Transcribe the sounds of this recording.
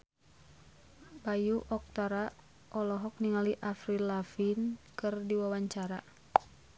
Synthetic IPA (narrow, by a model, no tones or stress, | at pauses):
bajuʔɔk̚t̪aɾa | ʔɔlɔɦɔk̚niŋaliʔafɾilafinkɨrdiwawaɲt͡ʃaɾa